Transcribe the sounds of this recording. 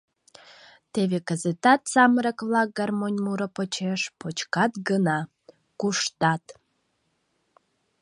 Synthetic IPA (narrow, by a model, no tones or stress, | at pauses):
t̪eβekəzət̪ɑt̪sɑməɾə̆kβlɑk̚ɡɑrmonʲmuɾəpot͡ɕeʃpot͡ɕkɑt̪ɡənɑ | kuʃt̪ɑt̪